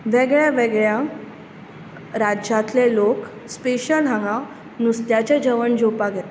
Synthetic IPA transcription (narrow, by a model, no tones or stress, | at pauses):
ʋeɡɭjaʋeɡɭja | ɾad͡ʑãt̪lelok | speɕəlãŋɡã | nust̪jat͡ɕad͡ʑəʋəɳd͡ʑopaɡʱɛt̪